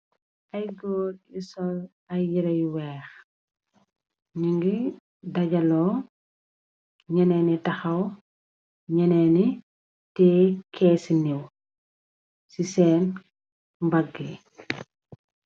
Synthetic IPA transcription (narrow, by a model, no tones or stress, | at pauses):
ʔɐjɡɔːɾisɔl | ɐjiɾɐjwɛːx | ɲuŋɡi | dɐɟɐlɔ | ɲɐnɛːnitɐxɐw | ɲɐnɛni | tɛkʰɛːsiniw | sisɛːn | mbɐɡːe